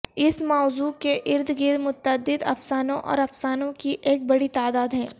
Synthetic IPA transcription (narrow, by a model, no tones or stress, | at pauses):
ɪsmɔːzuːkeʔɪɾd̪ɡɪɾmʊt̪əd̪ːɪd̪ɐ̰fsaːnõʔɔ̰ːɾɐfsaːnõkiʔeːk̚bɐɽit̪aːd̪aːd̪ɦɛ̃ː